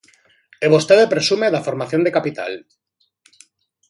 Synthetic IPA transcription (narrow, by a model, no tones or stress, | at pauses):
eβost̪eðepɾesumeðafoɾmaθjo̞nd̪ekapit̪a̰l